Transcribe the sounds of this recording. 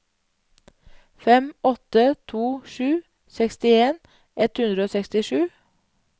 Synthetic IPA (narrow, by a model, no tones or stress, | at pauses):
fɛmɔt̪ət̪ʰuːʃʉː | sɛkst̪ɪeːn | ʔɛt̪hʉnd̪ɾəoːsɛkst̪ɪʃʉː